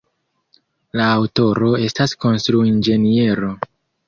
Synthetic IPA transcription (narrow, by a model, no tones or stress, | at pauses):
laːwto̞ɾo̞e̞stasko̞nstɾuind͡ʒe̞nie̞ɾo̞